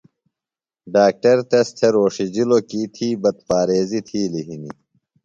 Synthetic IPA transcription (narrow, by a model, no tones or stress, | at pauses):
ɖaːk̚ʈɐɾt̪est̪ʰeɾoːʂid͡ʑilokiːt̪ʰiːbɐd̪̚paːɾeːzit̪ʰiːliɦinḭ